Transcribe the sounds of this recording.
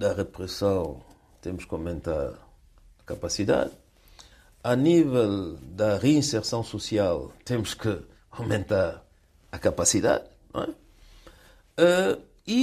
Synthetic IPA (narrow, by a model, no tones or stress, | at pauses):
d̪ɐʁɨpɾɨsɐ̃w̃ | t̪emʊʃkawmẽnt̪a̰ɾ | ɐkapasiða̰ð | ɐnivɛlˠd̪ɐʁeĩseɾsɐ̃w̃susialˠt̪emʊʃkɨ | awmẽnt̪aɾ | ɐkapasiða̰ðnõ̰ɛ | ɛ | i